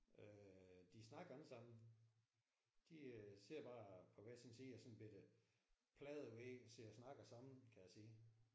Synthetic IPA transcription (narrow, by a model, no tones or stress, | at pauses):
ʔød̥isnɑ̈ɡ̥ɐælsɑ̈m̰n̩ | d̥iøse̝ɐ̰b̥ɑ̈ːpʰɒ̽ʋæjæsɛnsiːjɑsɒ̽n̩b̥ed̥əpʰlɛːð̩ˠʋeseɐ̰snɑ̈ɡ̥ɐsɑ̈m̰n̩kʰæjæsiː